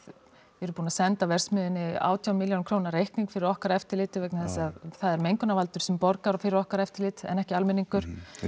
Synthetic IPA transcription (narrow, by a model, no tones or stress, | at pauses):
vɪɛɾʏpuːnasɛnt̪avɛr̥smɪðɪnːɪa̰ːwt̪ʰjawnmɪljownkʰɾoːwnaɾejhkniŋkfɪɾɪɾɔhkaɾɛft̪ɪɾlɪːt̪ɪvejknaθɛsaðθaðɛɾmejŋkʏnavalt̪ʏɾ̥sɛmpɔɾkaɾɔfɪɾɪɾɔhkaɾɛft̪ɪɾlɪːt̪ɛ̰nɛhcɪalmɪniŋkʏɾ̥